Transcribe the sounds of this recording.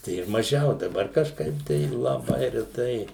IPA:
ˈtɐɪ ɪr mɐˈʒʲɛʊ dɐˈbɐr kɐʃˈkɐɪp tɐɪ lˠɐˈbɐɪ rʲɛˈtɐɪ

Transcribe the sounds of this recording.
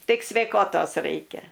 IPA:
ˈtʲɪk sʲʋʲɛɪˈkoːtoːs ˈrɐɪkʲɛ

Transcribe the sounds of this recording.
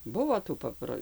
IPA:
ˈbʊʋoː tuː ˈpɑːproː

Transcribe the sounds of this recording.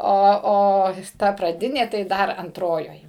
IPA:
ˈoː ˈoː ˈtɐ prɐˈdʲɪnʲeː tɐɪ ˈdɐr ɐnˈtroːjoːj

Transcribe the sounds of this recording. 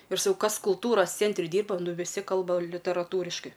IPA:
ɪr sɐˈkɐʊ ˈkɐs kʊlˠˈtuːrɐs ˈt͡sʲɛnʲtʲrʲɪ ˈdʲiːrbɐ ˈnʊ ʋʲɪˈsʲɪ ˈkɐlˠbɐ lʲɪtʲɛrɐˈtuːrʲɪʃkɐɪ

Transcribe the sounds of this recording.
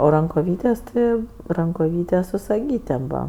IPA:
oː rɐŋkoːˈʋʲiːtʲeːsʲ ˈtʲɪ rɐŋkoːˈʋʲiːtʲeːsʲ sʊ sɐˈɡʲiːtʲeːm ˈbuːʋɐ

